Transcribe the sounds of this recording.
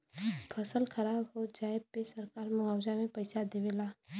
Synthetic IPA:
pʰəsəlkʰɐɾaːbɦod͡ʒaːepesɐɾkaːɾmʊaːwd͡ʒamẽpɐɪsad̪eʋeːlaː

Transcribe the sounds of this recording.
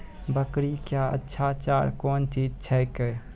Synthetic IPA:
bəkɾikjaə̰tːʃʰaːt͡ʃa̰ːɾkɔːnt͡ʃiːd͡ʒt͡ʃʰɛjkɛ

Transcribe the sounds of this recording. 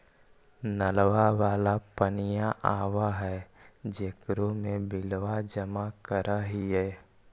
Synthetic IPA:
nəlʋaʋaːlapənɪjaʔaːwaɦɛːd͡ʒeːkɾomẽbɪlʋad͡ʒəmakəɾaɦiɦɛː

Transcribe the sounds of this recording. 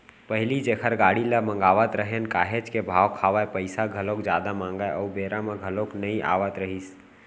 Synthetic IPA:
pəɦɪlid͡ʒekʰəɾɡaːɽiləmə̃ŋɡaːʋət̪ɾəɦenkaːɦed͡ʒkebʱaːʋkʰaːʋaepəɪsaɡʱəlokd͡ʒjaːd̪amãːŋɡaeɔubeːɾameɡʱəloknəĩʔa̰ːʋət̪ɾəɦis

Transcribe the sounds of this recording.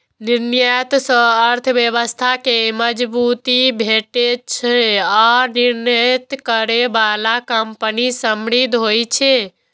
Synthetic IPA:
niɾnjət̪sə̃əɾt̪ʰbjəβəst̪ʰakeməd͡ʒbut̪ibʱeʈet͡ʃʰeaniɾnət̪kəɾebalakəmpənisəmɽid̪ʱɦojt͡ʃʰe

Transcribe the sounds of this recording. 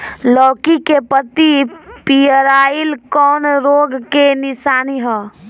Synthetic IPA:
lɔːkikepət̪ipijəɾailkɔːnɾoɡkenɪsaːniɦɔ̃

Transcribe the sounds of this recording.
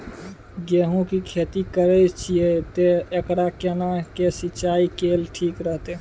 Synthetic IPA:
ɡeɦũkikʰet̪ikəɾɛt͡ʃʰiet̪eekɽakenakesit͡ʃaikelʈʰiːkɾəɦt̪e

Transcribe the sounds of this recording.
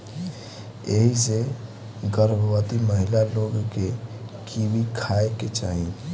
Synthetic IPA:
eɦise | ɡəɾbʱwət̪iməɦɪlaloːɡkekʰibikʰaeket͡ʃa̰ːɦi

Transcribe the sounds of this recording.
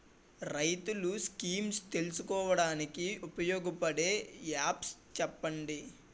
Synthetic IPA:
ɾɐjt̪uluskiːmst̪e̞lusukɔːʋɐɽaːnikiupɐjɔːɡɐpɐɽe̞ːjaːpst͡ʃɛpːɐɳɖi

